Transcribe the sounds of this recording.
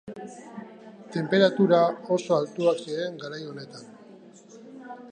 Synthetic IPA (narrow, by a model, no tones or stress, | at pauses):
t̪e̞mpe̞ɾat̪uɾaoso̞alt̪uaksiɾe̞ŋɡaɾajo̞ne̞t̪an